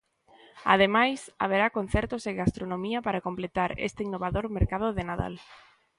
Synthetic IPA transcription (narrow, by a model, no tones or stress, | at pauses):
a̰ð̞emajsa̰β̞eɾakon̟θɛɾt̪oseɣast̪ɾonõmiɐpaɾakomplet̪aɾḛst̪einːoβ̞aðoɾmeɾkað̞ʊðenaða̰l